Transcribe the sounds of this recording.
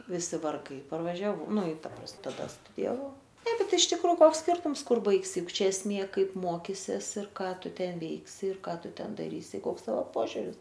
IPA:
ʋʲɪˈsʲɪ ʋɐrˈɡɐɪ pɐrʋɐʒʲɛˈʋɐʊ ˈnʊ ɪ ˈtɐ prɐs tɐˈdɐ stʊdʲɪjɛˈʋɐʊ ˈtɐɪp bʲɛt ɪʃ ˈtʲɪkroː ˈkoːks ˈsʲkʲɪrtʊms ˈkʊr ˈbɐɪksʲɪ ˈjʊk ˈt͡ʃʲɛ ɛsʲˈmʲeː ˈkɐɪp ˈmoːkʲɪsʲiɛs ɪr ˈkɑː ˈtʊ ˈtʲɛn ˈʋʲɛɪksʲɪ ɪr ˈkɑː ˈtʊ ˈtʲɛn dɐˈrʲiːsʲɪ ˈkoːks ˈtɑːʋoː ˈpoːʒʲʊrʲɪs

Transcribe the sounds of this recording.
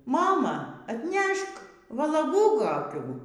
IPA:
ˈmɑːmɐ ɐtʲˈnʲɛʃk ʋɐlˠɐˈɡuː koːˈkʲuː

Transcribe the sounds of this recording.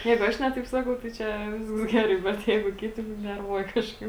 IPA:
ˈjɛɪɡʊ ˈɐʃ ˈnʲɛ tɐɪp ˈsɑːkɐʊ tɐɪ ˈt͡ʃʲɛ ˈʋʲɪsks ˈɡʲæːrɐɪ ˈbʲɛt ˈjɛɪɡʊ ˈkʲɪtʲɪ nʊ ˈnʲɛrʋuɔjɛ ˈkɑːʃkɐɪp

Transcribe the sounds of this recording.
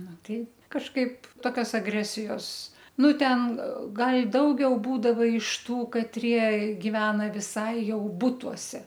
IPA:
ˈnʊ ˈtɐɪ kɐʃˈkɐɪp ˈtoːkʲoːs ɐˈɡrʲæːsʲɪjoːs ˈnʊ ˈtʲɛn ˈɡɐlʲ ˈdɐʊɡʲɛʊ ˈbuːdɐʋɐ ɪʃ ˈtuː kɐtʲˈrʲiɛ ɡʲɪˈʋʲæːnɐ ʋʲɪˈsɐɪ ˈjɛʊ ˈbʊtuɔsʲɛ

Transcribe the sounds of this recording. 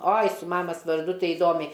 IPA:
ˈoːɪ sʊ ˈmɑːmɐs ʋɐrˈdʊ ˈtɐɪ ɪˈdoːmʲɛɪ

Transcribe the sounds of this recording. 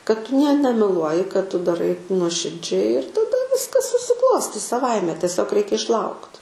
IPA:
kɐt ˈtʊ nʲiɛ nʲɛmʲɛˈlˠuɔjɪ kɐt ˈtʊ dɐˈrɐɪ nuɔʃʲɪrʲˈd͡ʒʲɛɪ ɪr tɐˈdɐ ˈʋʲɪskɐs sʊsʲɪˈklˠoːsʲtʲiːs sɐˈʋɐɪmʲɛ tʲɛˈsʲoːk ˈrʲɛɪkʲɛ ɪʃˈlˠɐʊkt

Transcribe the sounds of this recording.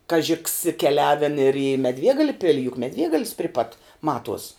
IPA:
ˈkɑːʒʲɪ ks kʲɛˈlʲæːʋʲɛn ɪr iː mʲɛˈdʲʋʲiɛɡɐlʲɛ ˈpʲɪlʲɪ jʊk mʲɛˈdʲʋʲiɛɡɐlʲɪs pʲrʲɪ pɐt ˈmɑːtuɔs

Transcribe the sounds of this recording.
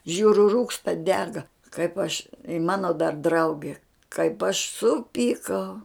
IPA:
ˈʒʲuːrʲʊ ˈruːkstɐ ˈdʲæːɡɐ kɐɪp ɐʃ ɪ ˈmɑːnoː dɐr ˈdrɐʊɡʲɛ kɐɪp ɐʃ ˈsʊpʲiːkɐʊ

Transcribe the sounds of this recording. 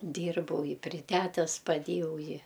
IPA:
ˈdʲiːrbɐʊ ɪ pʲrʲɪ ˈtʲætʲɛs pɐˈdʲeːjɛʊ ˈɪ

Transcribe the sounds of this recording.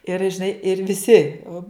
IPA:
ɪr ʒʲɪˈnɐɪ ɪr ʋʲɪˈsʲɪ oː

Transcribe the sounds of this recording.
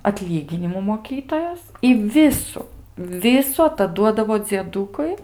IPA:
ɐtʲˈlʲiːɡʲɪnʲɪmuː moːˈkʲiːtoːjoːs ɪ ˈʋʲɪsʊ ˈʋʲɪsʊ ɐtɐˈduɔdɐʋoː d͡zʲiɛˈduːkʊɪ

